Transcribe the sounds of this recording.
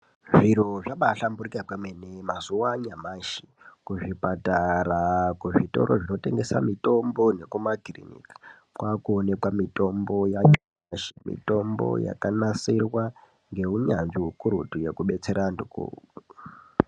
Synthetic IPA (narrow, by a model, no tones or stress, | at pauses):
ʐiɾoʐaɓaɬamburikakwemenemazuwaɲamaʃi̥ | kuʐipataɾakuʐito̞̰ɾʔoʐino̞te̞ŋɡe̞sa̰mito̞mbo̞ne̞kumakrḭnḭki̥ | kwakuone̞kwamito̞mbo̞jaɲa | ʃimḭto̞mbo̞̰ja̰kanasirwa | ŋɡe̞uɲanʐiɦukuɾutuje̞kuɓe̞t͡se̞ɾandukṵːu